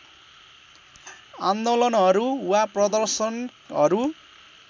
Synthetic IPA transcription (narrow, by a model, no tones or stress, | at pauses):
and̪olʌnɦʌɾuwaprʌd̪ʌrsʌnɦʌɾu